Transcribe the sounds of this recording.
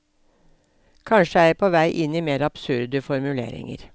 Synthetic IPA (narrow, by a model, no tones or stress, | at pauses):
kʰɑnʃəæɪpʰoːʋæɪʔɪniːmeːɾɑb̥sʉɾd̪əfɔɾmʉlḛːɾɪ̰ŋə̰ɾ